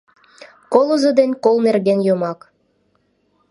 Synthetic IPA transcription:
kolozɤ̆d̪enʲkolnerɡenjomɑk

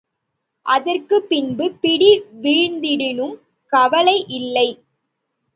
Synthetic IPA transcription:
ʔɐðɐrkɯpːɪnbɯpɪɽiʋiːɻnd̪ɪɽɪnɯm | kɐʋɐlɐɪʔɪlːɐɪ

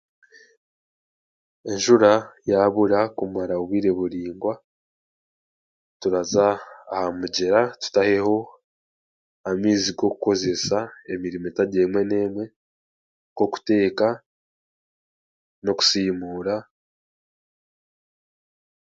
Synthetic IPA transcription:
e̞nʒuɾajaβuɾakumaɾaoβwiːɾe̞βuɾiːŋɡwa | tuɾazaːhamuɟe̞ɾatu̥tahe̞ho̞ | amiːziɡo̞ku̥ko̞ze̞sae̞miɾimoetaɟeːmwe̞ne̞ːmwe̞ | ko̞ku̥te̞ːka | no̞ku̥siːmuːɾa

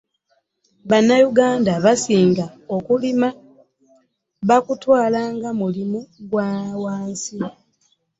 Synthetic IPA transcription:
βanːajuɡaːndaβasiːŋɡaokulima | βakutwaːlaːŋɡamulimuɡwaːwaːnsi

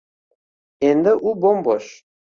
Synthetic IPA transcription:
end̪ɘʔubomboʃ

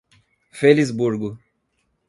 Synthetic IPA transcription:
felizbuɾɡʊ

